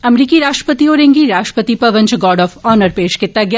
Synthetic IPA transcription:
ɐmɾiːkiɾaːʃʈɾə̥pət̪ioːɾẽŋɡiɾaːʃʈɾə̥pət̪ipɐʋə̃nt͡ʃɡɔːɾɖɔːfɔːnəɾpeːʃkɪt̪ːaɡjaː

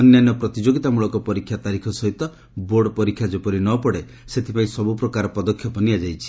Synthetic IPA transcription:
ɔnjanɔpɾɔt̪id͡ʒoɡit̪amuɭɔkɔpɔɾikʰːjat̪aɾikʰɔsɔɦit̪ɔ | boɖɔpɔɾikʰːjad͡ʒepɔɾinɔpɔɽe | set̪ʰipaĩsɔbupɾɔkaɾɔpɔd̪ɔkʰːjɔpɔnijad͡ʒajt͡ʃʰi̥

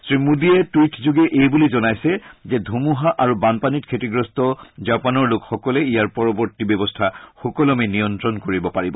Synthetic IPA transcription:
sɹimudiɛtijtʰzuɡɛʔejbulizɔnajsɛzedʱumuɦaʔaɹubanpanitkʰetiɡɹɔstɔzapanɔɹlokxɔkɔlɛijaɹpɔɹɔbɔɹtibjɔbɔstʰaxɔkɔlɔminijɔntɹɔnkoɹibɔpaɹibɔ

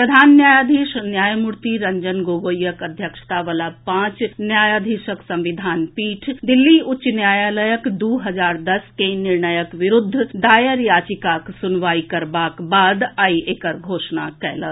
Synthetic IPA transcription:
pɾəd̪ʱaːnːjaːjaːd̪ʱiʃnjaːjmʊɾt̪iɾɐ̃ɲd͡ʒənɡoːɡoːjəkɐd̪ʱjəkʃt̪aʋəlapãːt͡ʃnjaːjaːd̪ʱiʃəksɐ̃mʋɪd̪ʱaːnpiːʈʰd̪ɪlːiʊtːʃnjaːjaːləjəkd̪uːɦɐd͡ʒaːɾd̪ɐskenɪɾɳəjəkʋɪɾʊd̪ʱːd̪aːjəɾjaːt͡ʃɪkaːksʊnʋaːikɐɾbaːkbaːd̪aːieːkəɾɡʱoːʃnakɛːlə

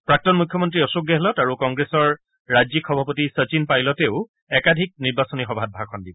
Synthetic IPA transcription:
pɹak̚tɔnmukʰjɔmɔntɹiɔsuɡjɛɦɛlɔtaɹukɔŋɡɹesɔɹ | ɹazikʰxɔbʱapotisət͡ʃinpajlɔtɛʊ | ɛkadʱik̚niɹbasɔnixɔbʱat̚bʱakʰɔndibɔ

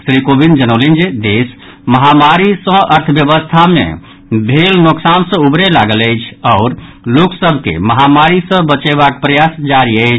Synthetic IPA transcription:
sɾikobind͡ʒənəlind͡ʒed̪es | məɦamaɾisə̃ʔəɾt̪ʰəbjəbəst̪ʰamḛ | bʱelnoksansə̃ubɾelaɡələjt͡ʃʰɔʊɾ | loksəbʱkḛməɦamaɾisə̃bət͡ʃeβakpɾəjasd͡ʒaɾiəjt͡ʃʰ

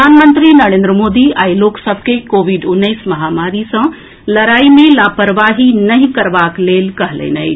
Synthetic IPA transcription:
əanmənt̪ɾinəɾẽnd̪ɾəmod̪iajloksəbʱkekobʱiɖunːəjsməɦamaɾisə̃ | ləɾaimelapəɾbaɦinəɦĩkəɾbaklelkəɦlə̰ɪnəj

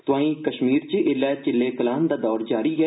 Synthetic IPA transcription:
t̪ʊãːĩːkəʃmiːɾt͡ʃʔɪlːɛːt͡ʃɪlːeːkəlaːnd̪aːd̪ɔːɾd͡ʒaːɾiːɦɛː

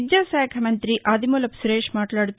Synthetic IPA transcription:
d͡ʒjaːsaːkʰɐmɐnt̪ɾiʔʔaːd̪imolɐpsuɾeːʃmaːʈlaːɽut̪ː

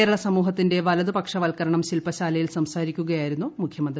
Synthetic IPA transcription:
eːɾɐɭɐsɐmuːɦɐt̪ːinde̞ʋɐlɐðupɐkʂɐʋɐlkɐɾɐɳɐmɕilpɐɕaːlɐjilsɐmsaːɾikʲːuɣɐjaːjiɾun̪ːumukʰjɐmɐnd̪

